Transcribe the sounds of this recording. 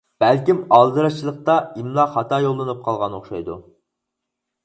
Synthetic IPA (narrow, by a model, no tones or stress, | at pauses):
b̥ælkʲimɑlˠd̪ɨɾɑt͡ʃʰilˠəq̚t̪ɑimlˠɑχɑt̪ʰɑːjolˠːɨnɨp̚qʰɑlˠʁɑnoχʃɑjd̪ṵ